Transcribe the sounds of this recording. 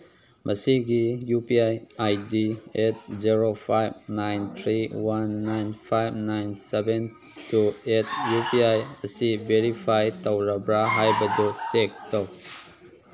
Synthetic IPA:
mʔəsiɡijupiajajdiet̚ziɾopʰajbnajnt̪ʰɾiwanːajnpʰajbnajnseben | tuet̚ʰjupiajəsibeɾipʰajtawɾabɾaɦajbɐdusek̚taw

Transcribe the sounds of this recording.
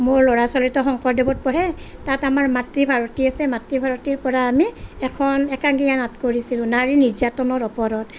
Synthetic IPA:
moɹlɔɹasɔlitɔxɔŋkɔɹdebɔt̚pɔɹɛ | tatamaɹmatɹibʱaɹɔtiasɛmatɹibʱaɹotiɹpɔɹaːmiɛkʰɔnɛkaŋɡijanatkoɹisilʊ̃naɹiniɹzatɔnɔɹɔpɔɹɔt

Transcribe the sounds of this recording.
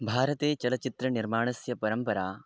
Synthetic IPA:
bʱaːɾɐt̪eːt͡ʃɐlɐt͡ʃit̪ɾɐniɾmaːɳɐsjɐpɐɾɐmpɐɾaː

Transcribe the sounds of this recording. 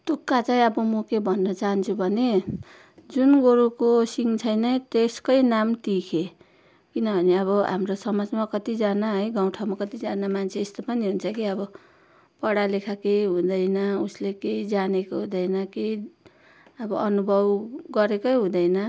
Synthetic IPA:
t̪ukːat͡saĩʌbʌmʌkebʱʌnːʌt͡saɦʌnt͡sʰubʱʌne | d͡zunɡoɾukosiŋt͡sʰʌjnʌjt̪eskʌjnamt̪ikʰe | kinʌbʱʌneʌβʌɦa̰mrosʌmad͡zmakʌt̪id͡zanaɦʌjɡaw̃ʈʰawmakʌt̪id͡zanamant͡sʰeːst̪opʌniɦunt͡sʰʌkiʌbʌ | pʌɽalekʰakejɦũd̪ʌjnʌuslekeid͡zanekoɦũd̪ʌjnʌkei | ʌbʌʔʌnubʱʌbɡʌɾekʌjɦũd̪ʌjnʌ

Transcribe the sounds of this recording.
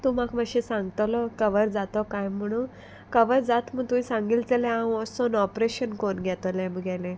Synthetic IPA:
t̪umakməɕĩsãŋɡt̪ɔlɔkəʋəɾd͡zat̪ɔkajm̤əɽ̃ũːn | kəʋəɾd͡zat̪məɡ̚t̪umĩsãŋɡilt͡səlɛ̃awɔsonɔpɾeɕənkonɡʱɛt̪ɔlɛ̃məɡɛlɛ̃

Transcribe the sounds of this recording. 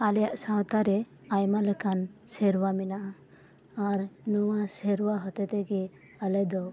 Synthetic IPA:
aljaʔsawt̪aɾɛ | ajmaləkʰansɛɾwaminaʔa | aɾnɔwasɛɾwaɦɔt̪ɛt̪ɛɡɛ | alɛd̪ɔw

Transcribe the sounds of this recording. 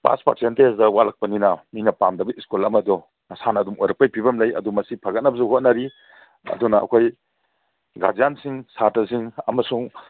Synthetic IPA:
pa̰spa̰ɾsentesdɐwalak̚pɐninɐminɐpamdɐbɐʔiskulɐmɐdɔ | nɐsanɐdumojɾɐk̚pɐjpʰibɐmlɐjɐ̰dumɐsipʰaɡɐt̚nɐbɐzuɦot̚naɾi | ɐ̰dunɐɐ̰kʰoj | ɡa̰d͡ʒjansiŋsatɐsiŋɐmɐsuŋ

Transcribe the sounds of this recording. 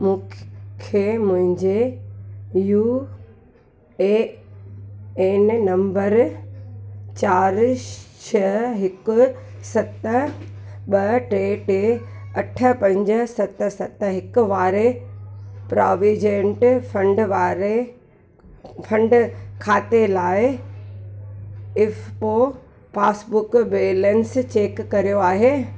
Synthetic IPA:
mũːkʰemʊ̃ɦɪ̃ɲd͡ʑe | juː | e | eːnnɐ̃mbəɾ | t͡ɕaːɾʃʰɐɦɪkʊ̆sɐt̪ə | ɓɐʈɾeːʈeɐʈʰə̆pɐ̃ɲd͡ʑəsɐt̪̆sɐt̪ɦɪkʊʋaːɾe | pɾaːʋid͡ʑẽɳʈfɐ̃ɳɖʋaːɾe | fʰɐ̃ɳɖkʰaːt̪elaːɪ | ɪfpo | paːsbʊkbeːlənst͡ɕeːkːɐɾijoaːɦeː

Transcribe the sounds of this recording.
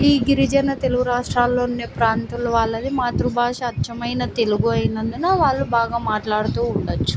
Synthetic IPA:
iːɡiɾid͡ʒɐnɐt̪e̞luɡuɾaːʂʈɾaːlːo̞ːnːeːpɾaːnt̪ulɐʋaːɭːɐd̪imaːt̪ɾubʱaːʂɐɐt͡ʃɐmɐjnɐt̪e̞luɡuɐjinɐnd̪unaːʋaːɭːubaːɡaːmaːʈlaːɽut̪uːɳɖɐt͡ʃːu̥

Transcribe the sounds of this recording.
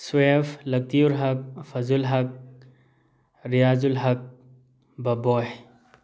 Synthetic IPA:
swefʰlɐk̚t̪iuɾɦɐk̚fʰɐzulɦɐk̚ | ɾijaːzulɦɐk̚ | bɐboj

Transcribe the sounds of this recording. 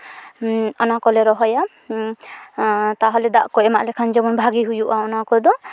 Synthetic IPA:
ɔnakɔleɾɔɦɔja | t̪aɦɔled̪a̰ʔkɔemaʔlekʰand͡ʒɔbɔnbʱaɡiɦujuʔaɔnakɔd̪ɔ

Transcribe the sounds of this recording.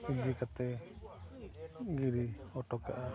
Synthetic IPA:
ud͡ʒikat̪ɛ | ɡiɾiɔʈɔka̰ʔa

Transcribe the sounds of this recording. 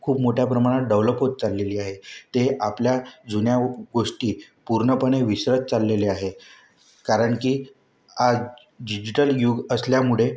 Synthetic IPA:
kʰuːpmoʈʰjapɾəmaɽ̃aɖəʋləpɦot̪̚t͡salːeliːaɦet̪eapljad͡zunjaɡoʂʈiː | puɾɳəpəɳ̃eʋiɕɾət̪̚t͡salːeleaɦe | kaɾəɳkiː | ad͡z | ɖid͡ʑiʈəljuɡəsljamuɭe

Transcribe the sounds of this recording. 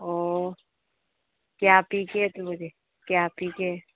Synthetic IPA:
oː | kjaːpiːket̪umʊd͡ʒe | kjaːpiːke

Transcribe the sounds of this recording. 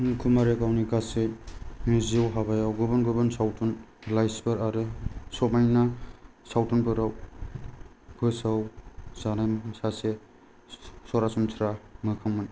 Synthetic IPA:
nkʰumaɾekawnikasemiziwɦabajawɡubɯnɡubɯnsawtunlajspɯɾaɾɯsɔmajna | sawtunpɯɾaw | pʰɯsawzanajsase | sɔɾasumtʰɾamɯkʰaŋmɯn

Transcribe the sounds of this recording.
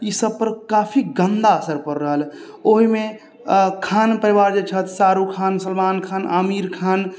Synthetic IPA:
isəb̚pəɾkaːpʰiɡənd̪aəsəɾpəɾːəɦəl | oɦime | kʰaːnpəɾiʋaːɾd͡ʒet͡ʃʰət̪saːɾukʰaːnsəlmaːnkʰaːnamiːɾkʰaːn

